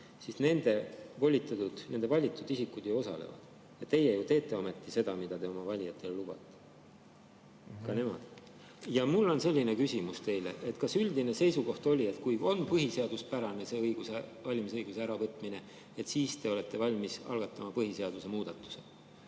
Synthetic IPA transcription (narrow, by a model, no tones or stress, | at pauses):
sisne̞nd̪̥e̞vo̞lʲːit̪ːˑɑt̪ud̪̥ne̞nd̪̥e̞vɑlʲːit̪ːˑud̪̥isikːˑud̪̥juo̞sɑ̰le̞̰vɑ̰d̪̥ | jɑt̪e̞jejut̪e̞ːt̪ːˑe̞ome̞t̪ˑːise̞d̪ɑmid̪ɑt̪e̞o̞mɑvɑlʲijɑt̪ːˑe̞llub̥ɑ̰t̪ːˑe̥ | kɑne̞mɑ̰d̪̥ | jɑmulːo̞nse̞lʲːine̞kysʲimust̪e̞jlḛʔe̞t̪ːˑkɑsyld̪ine̞se̞jsuko̞ht̪o̞lʲie̞t̪kujo̞npɤɦise̞ɑd̪̥uspæɾɑne̞se̞ɤjɡ̥usevɑlʲimisɤjɡ̥useæɾɑvɤt̪ːˑmine̞ | e̞t̪siːst̪e̞o̞let̪ˑːe̞vɑlʲmisɑ̰lɡ̥ɑt̪ˑːɑmɑpɤɦise̞ɑd̪̥use̞muːd̪̥ɑt̪ːˑu̥se